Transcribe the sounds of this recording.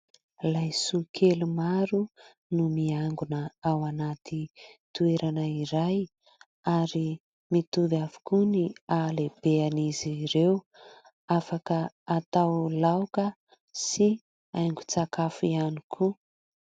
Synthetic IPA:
lajsukʰelumaɾu | numiaŋɡunəawanat̪it̪ueɾanaiɾaj | aɾi | mit̪uvavu̥kunialeb̥eaniziɾew | afakə | at̪awlawkə | si | ajŋɡu̥t͡sakafianikʰu

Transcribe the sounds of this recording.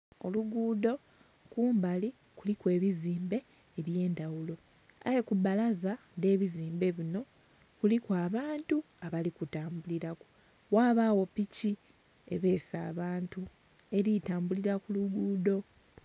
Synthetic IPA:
o̞luɡuːdo̞ | kuːmbali | kulikwe̞ːβiziːmbe̞ː | βje̞ːndawulo̞ | a̰jekubalaza | de̞ːβiziːmbe̞βino̞ | kulikwaːβaːntu | aβalikutaːmbuliɾaku̥ | waːβawo̞pici | ḛβe̞ːsa̰ːβaːntu | e̞ɾitaːmbuliɾakuluɡuːdo̞

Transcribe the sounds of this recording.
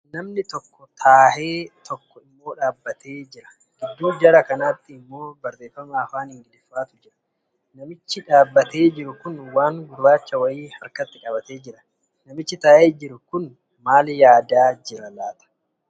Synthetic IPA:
nɐmnɪt̪ɔkːɔt̪ʰaːhe̞ːt̪ʰɔkːɔɪmːo̞ːᶑaːbːɐt̪ʰeːd͡ʒɪɾɐ̥ | ɡ̥ɪd̪ːuːd͡ʒɐɾɐkɐnaːt̪ːɪɪmːo̞ːbɐɾt̪eːfːɐmaːɐfaːnhɪŋɡɪᶑɪfːaːt̪ʊd͡ʒɪɾɐ̥ | nɐmɪt͡ʃːɪᶑaːbːɐt̪e̞ːd͡ʒɪɾʊkʊnwaːŋɡʊɾbaːt͡ʃːɐwɐjiːhɐɾkɐt̪ːɪᶑɐbɐt̪e̞ːd͡ʒɪɾɐ̥ | nɐmɪt͡ʃːɪt̪aːʔeːd͡ʒɪɾʊkʊn | maːljaːd̪aːd͡ʒɪɾɐlaːt̪ɐ̥

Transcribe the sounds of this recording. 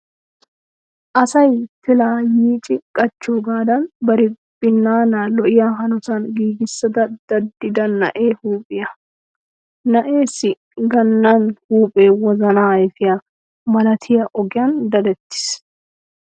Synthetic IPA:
ʔɐsɐjfɪlaːjiːt͡ʃʼɪkʼɐt͡ʃːuːɡaːd̪ɐnbɐɾɪ | bɪnːaːnaːlɔʔɪjaːɦɐnɔsɐnɡiːɡɪsːɐd̪ɐd̪̥ɐd̪ːɪd̪ɐnːɐ̰ʔeːhuːpʼɪjɐ | nɐʔe̞ːsɪ | ɡɐnːanhuːpʼeːwɔzɐnaːɪfɪjɐ | mɐlɐt̪ʰɪjɐʔɔɡɪjɐnd̪ɐd̪ɛt̪ːɪ̥s

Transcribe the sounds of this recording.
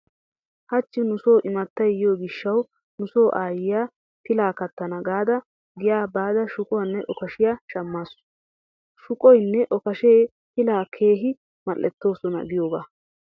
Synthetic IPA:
hɐt͡ʃːɪnʊsoːʔɪmɐt̪ːɐjjjo̞ːɡɪʃːɐw | nʊso̞ːʔaːjɪjaː | t̪ɪlaːkɐt̪ːɐnɐɡaːd̪ɐ | ɡɪjaːbaːd̪ɐʃʊkʼɔwɐnːɛʔɔkɐʃɪjaʃɐmːaːsʊ̥ | ʃʊkʼɔjnːɛʔɔkɐʃeː | t̪ɪlaːkʰe̞ːɦɪ | mɐlːɛt̪ːo̞ːsɔnɐ̰ɡɪjoːbaː

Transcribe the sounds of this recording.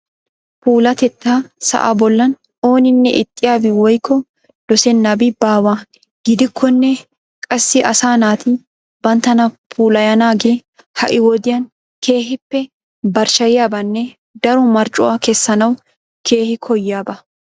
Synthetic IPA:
puːlɐt̪ɛt̪ːasɐ̰ʔa̰bɔlːɐn | o̞ːnɪnːɛʔɪt̪ʼːɪjaːbɪwɔjkːɔ | d̪̥ɔsɛnːɐbɪbaːwa | ɡ̥ɪd̪ɪkʰːɔnːɛ | kʼɐsːɪʔɐsaːnaːt̪ɪ | bɐnt̪ɐnɐpʰuːlɐjɐnaːɡe | hɐʔɪwɔd̪ɪjɐn | kʰe̞ːɦɪpːɛ | bɐɾʃɐjɪjaːbɐnːɛ | d̪ɐɾɔmɐɾt͡ʃʼʊakɛsːɐnɐw | kʰe̞ːhɪkʰɔjːɪjaːbɐ

